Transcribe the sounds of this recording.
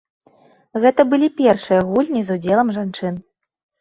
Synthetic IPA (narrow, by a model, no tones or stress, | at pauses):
ɣɛt̪ɐbɨlʲipʲɛrʂɨjɐɣulʲnʲizud͡zʲɛlˠɐmʐant͡ʂɨn